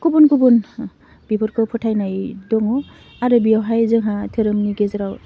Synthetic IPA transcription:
kubunkubun | b̥ibʰɔɾkʰɯpʰɔtʰajnajdɔŋɔ | aɾɯbijawɦajzɯŋɦatʰɯɾɯmŋiɡezɯɾaw

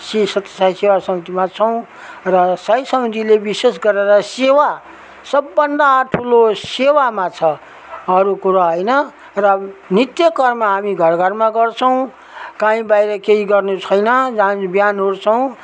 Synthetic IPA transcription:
sisʌt̪ːḁsajsewasʌmit̪imat͡sʰʌw̃ | rʌsʌjsʌmid̪ʱilebisesɡʌɾeɾʌsewa | sʌbːʌnd̪aʈʰulosewamat͡sʰʌː | ɾukuɾaɦʌjnʌ | rʌnit̪jʌkʌrmaɦamiɡʱʌrɡʱʌrmaɡʌrt͡sʰʌw̃ | kãĩbajɾʌkeɦiɡʌrnut͡sʰʌjnʌd͡zabjanɦoɾt͡sʰʌw̃

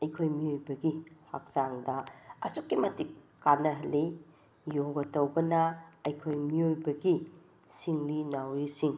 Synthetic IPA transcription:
ɐjkʰojmiojbɐɡiha̰k̚saŋdɐɐsukːimɐtikː | anɐɦɐli | joɡɐtɐwɡɐnɐɐjkʰojmiojbɐɡi | siŋlinawɾisiŋ

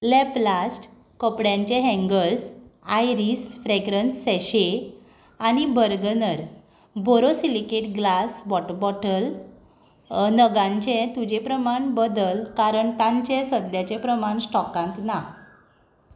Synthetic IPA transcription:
lɛplasʈ | kəpɽjãɲt͡ɕɛ̃ɦɛ̃ŋɡəɾsajɾisfɾeɡɾənsːɛɕe | añibʱəɾɡənəɾ | bʱoɾosilikeʈɡlasbɔʈbɔʈəl | nəɡãɲt͡ɕẽt̪ud͡ʑepɾəmaɳbəd̪əlkaɾəɳt̪ãɲt͡ɕɛ̃səd̪jat͡ɕẽpɾəmaɳsʈɔkãnt̪na

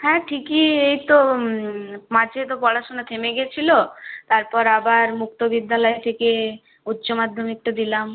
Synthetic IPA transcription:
ɦɛ̃ʈʰikiejt̪o | mad͡ʑʱet̪opɔɽaʃonat̪ʰemeɡet͡ɕʰilot̪aɾpɔɾabaɾmukt̪obid̪ːalɔet̪ʰeke | utːɕomad̪ʱːomek̚ʈud̪ilam

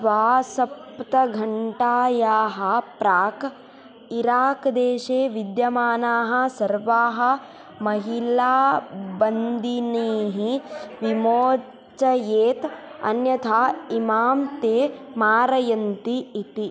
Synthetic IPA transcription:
ʋaːsɐpt̪ɐɡʱɐɳʈaːjaːɦɐ̆pɾaːk | iɾaːkd̪eːʃeːʋid̪jɐmaːnaːɦɐ̆sɐɾʋaːɦɐ̆ | mɐɦilaːbɐnd̪ʱineːɦiʋimoː | t͡ʃɐjeːt̪ɐ̰njɐt̪ʰaːimaːmt̪eːmaːɾɐjɐnt̪iːt̪i

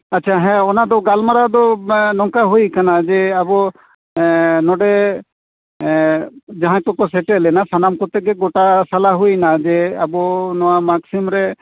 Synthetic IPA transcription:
ɐtːʃʰaɦɛ̃ɔnad̪ɔɡalmaɾad̪ɔnɔŋkaɦujkanad͡ʒɛabɔ | nɔɖɛ | d͡ʒaɦãkɔkɔsɛʈelɛnasanamkɔt̪eɡeɡɔʈasalaɦujnad͡ʒɛabɔnɔwamaksimɾɛ

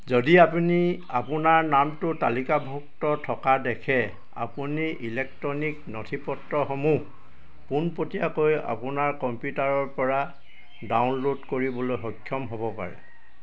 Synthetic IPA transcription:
zodiapuni | apʊnaɹnamtʊtalikabʱuk̚tɔtʰɔkadɛkʰɛ | a̰puniʔilɛk̚tɹɔniknɔtʰipɔtɹɔxomuh | punpotijakoja̰pʊnaɹkɔmpjutaɹɔɹpɔɹa | dawnlodkoɹibɔlojɦɔkʰːjɔmɦobɔpa̰ɹɛ̰

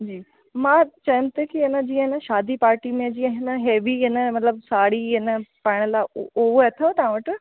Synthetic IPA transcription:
d͡ʑiː | mãːt͡ɕɐjʊ̃mt̪ekiɪnəd͡ʑiːə̃ɪnəʃaːd̪ipaːɾʈimẽd͡ʑiːə̃ɦɪnəɦeːʋiɪnəmɐt̪ləbsaːɽiɪnəpaːɪɽ̃əlaoɦoet̪ʰot̪ɐʋãʋəʈɪ

